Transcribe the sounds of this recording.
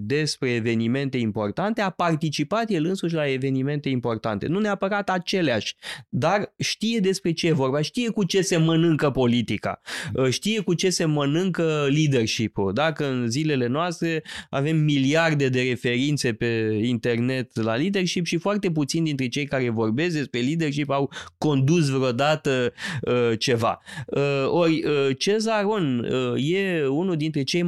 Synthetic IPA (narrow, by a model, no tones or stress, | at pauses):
d̪e̞spɾe̞ːve̞nime̞nt̪e̞impo̞rt̪ant̪e̞apart̪it͡ʃipat̪je̞lɨnsuʃ̬ʲlae̞ve̞nime̞nt̪e̞impo̞rt̪a̰nt̪e̞̰nuneapəɾat̪at͡ʃe̞leaʃʲd̪arʃt̪ije̞d̪e̞spɾe̞t͡ʃe̞jevo̞rbaʃt̪ije̞kut͡ʃe̞se̞mənɨŋkəpo̞lit̪ika̰ʃt̪ije̞kut͡ʃe̞se̞mənɨŋkəlid̪e̞rʃipuld̪akəɨnzile̞le̞noast̪ɾe̞a̰ve̞mːiliard̪e̞d̪e̞ɾe̞fe̞ɾint̪se̞pe̞int̪e̞rne̞t̪lalid̪e̞rʃipʃifoart̪e̞p̬ut̪sind̪int̪ɾe̞t͡ʃejkaɾe̞vo̞rbe̞sk̚d̪e̞spɾe̞lid̪e̞rʃ̬ipawko̞nd̪us̬veo̞d̪at̪əət͡ʃe̞va̰əo̞rʲət͡ʃe̞zaɾonəje̞unuld̪int̪ɾe̞t͡ʃe̞j